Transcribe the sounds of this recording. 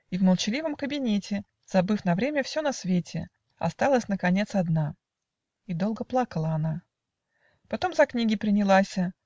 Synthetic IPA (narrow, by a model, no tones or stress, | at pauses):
ivməlˠt͡ɕɪlʲivəmkəbʲɪnʲetʲɪ | z̥ɐbɨfnɐvɾʲemʲəfsʲo̞nɐsvʲetʲɪ | ɐ̰st̪alˠəsʲnəkɐnʲe̞t̪sɐd̪na | id̪o̞lˠɡəplˠakəlˠəɐna | pɐt̪o̞mzɐknʲiɡʲɪpɾʲɪnʲɪlˠasʲə